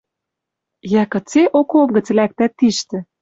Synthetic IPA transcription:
jækɤ̆t͡seʔokop̚ɣə̆t͡slæk̚t̪æt̪ːiʃt̪ɘ̆

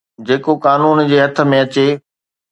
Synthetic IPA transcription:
d͡ʑeːkokaːnuːnd͡ʑeːɦɐt̪ʰə̆mẽɐt͡ɕe

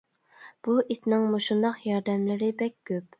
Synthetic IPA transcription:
b̥uʔit̪nɪŋmoʃund̪ɑqjɑɾd̪ɛmlɪɾɪbɛkʲɡʲøp̚

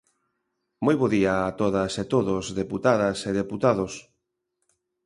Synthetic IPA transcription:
mojβoðiaːt̪oðɐset̪oðozðeput̪aðɐseðeput̪aðos

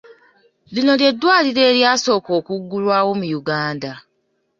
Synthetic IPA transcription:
linodedwadiɾeɾjasokokuɡuɾwawomujuɡaːnda

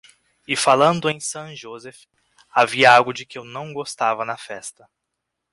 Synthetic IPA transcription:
ɪfalɐ̃nd̪ʊẽj̃sɐ̃w̃ʒozɛf | aviɐaɡɐd͡ʒɪkɪewnɐ̃w̃ɡost̪avɐnɐfɛst̪ɐ

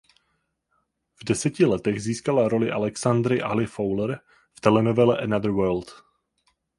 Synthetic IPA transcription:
vdɛsɛcɪlɛt̪ɛɣziːskalaɾo̞lɪʔalɛksand̪ɾɪʔalɪfowləɾ | ft̪ɛlɛnovɛlɛʔɛnaðəɾwəːɾlt̪

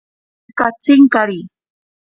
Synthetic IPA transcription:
kat͡sɪŋkaɾi

